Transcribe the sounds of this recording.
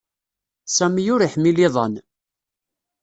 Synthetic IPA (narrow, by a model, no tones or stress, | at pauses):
sæmjʊɾiħmiliðˤɑ̰n